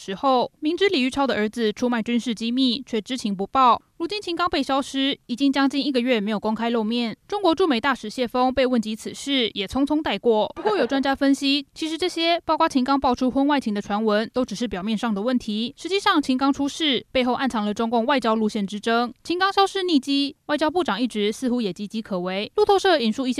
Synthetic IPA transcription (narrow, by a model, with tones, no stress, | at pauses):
ʂɻ̩˧˥xo˥˩ʊmi˧˥ŋʈ͡ʂɻ̩˥li˨˩y˥˩ʈ͡ʂʰɑ˥ʊd̪ə˨ʔə˞˧˥d͡zɹ̩˨ʈ͡ʂʰu˥ma˥˩ɪt͡ɕy˥nʂɻ̩˥˩t͡ɕi˥mi˥˩t͡ɕʰɥɛ˥˩ʈ͡ʂɻ̩˥t͡ɕʰi˧˥ŋp̬u˧˥pɑ˥˩ʊlu˧˥t͡ɕi˥nt͡ɕʰi˧˥ŋkɑ˥ŋpe˥ɪɕjɑ˥ʊʂɻ̩˥i˨˩t͡ɕi˧˥ŋt͡ɕjɑ˥ŋt͡ɕi˥˧ni˥˩ɡə˩ɥɛ˥˩me˧˥ɪjo˨˩kʊ˥ŋkʰa˥ɪlo˥˧ʊmjɛ˥˩nʈ͡ʂʊ˥ŋkwɔ˧˥ʈ͡ʂu˥˩me˨˩ɪt̪a˥˩ʂɻ̩˨˩ɕjɛ˥˩fɤ˥ŋpe˥˧ɪwə˥˩nt͡ɕi˧˥t͡sʰɹ̩˨˩ʂɻ̩˥˩jɛ˨˩t͡sʰʊ˧˥ŋt͡sʰʊ˥ŋt̪a˥˧ɪkwɔ˥˩pu˧kwɔ˥˩jo˨˩ʊʈ͡ʂwa˥nt͡ɕja˥fə˥nɕi˥t͡ɕʰi˧˥ʂɻ̩˧˥ʈ͡ʂɤ˥˩ɕjɛ˥pɑ˥˩kwa˥t͡ɕʰi˧˥ŋkɑ˥ŋpɑ˥ʊʈ͡ʂʰu˥xwə˥nwa˥˩ɪt͡ɕʰi˧˥ŋd̪ə˧ʈ͡ʂʰwa˧˥nwə˧˥nt̪o˥ʊʈ͡ʂɻ̩˨˩ʂɻ̩˥˩pjɑ˨˩mjɛ˥˧nʂɑ˥˩ŋd̪ə˩wə˥˩nt̪ʰi˧˥ʂɻ̩˧˥t͡ɕi˥˧ʂɑ˥˩ŋt͡ɕʰi˧˥ŋkɑ˥ŋʈ͡ʂʰu˥ʂɻ̩˥˩pe˥˧ɪxo˥˧ʊʔa˥˩nt͡sʰɑ˧˥ŋlə˨ʈ͡ʂʊ˥ŋkʊ˥˧ŋwa˥˩ɪt͡ɕjɑ˥ʊlu˥˧ɕjɛ˥˩nʈ͡ʂɻ̩˥ʈ͡ʂɤ˥ŋt͡ɕʰi˧˥ŋkɑ˥ŋɕjɑ˥ʊʂɻ̩˥˧ni˥˩t͡ɕi˥wa˥˩ɪt͡ɕjɑ˥ʊp̬u˥˩ʈ͡ʂɑ˨˩ŋi˥˩ʈ͡ʂɻ̩˧˥sɹ̩˥˧xu˧˥jɛ˨˩t͡ɕi˧˥t͡ɕi˧˥kʰɤ˨˩we˧˥ɪlu˥˧t̪ʰo˥˧ʊʂɤ˥˩i˨˩nʂu˥˧i˥˩ɕ